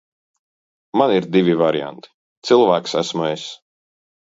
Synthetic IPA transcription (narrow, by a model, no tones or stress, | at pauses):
maniɾd̪ivʲivaɾja̰nt̪i̥ | t̪sɨlˠvæːksæsmues